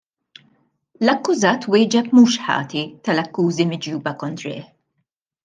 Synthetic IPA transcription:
lɐkːʊzɐːt̪wɪːd͡ʒɛb̚muːʃħɐ̰ːt̪it̪ɐlɐkːuːzimɪd͡ʒjuːbɐkɔnt̪ɾɪ̰ːħ

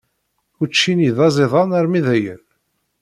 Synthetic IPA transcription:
ut͡ʃːiniðɑzˤeðˤɑnəɾmiðæjə̰n

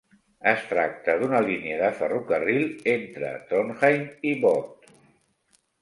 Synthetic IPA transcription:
əst̪ɾa̰k̚t̪əðunəliniəðəfərukərilˠent̪ɾə̰t̪onxajmiβɔt̪

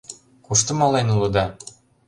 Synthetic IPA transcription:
kuʃt̪ɤmɑlˠɑjnulˠud̪ɑ

